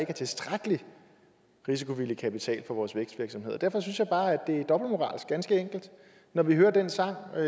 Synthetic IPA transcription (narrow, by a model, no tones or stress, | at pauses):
e̝ɡ̥æt͡sʰe̝lsd̥ʁaɡ̥əli | ʁis̬i̥kʰo̝ʋiləkʰæpit͡sʰɛ̰ːlfɒ̽ʋɒːsʋeɐɡ̥sd̥ʋiɐɡ̥sɒ̽mhe̝ð̰ˠɐd̥æɐfɒ̽synsjɑ̈ɪb̥ɑ̈ːæd̥e̝æɐd̥ɒ̽b̥l̩mo̝ʁɑ̰̈ːlsɡ̥ænsɡ̥əeŋ̰ɡ̥l̩d̥ | nɒʋiɦøːɐd̥ensɑ̈ŋ̰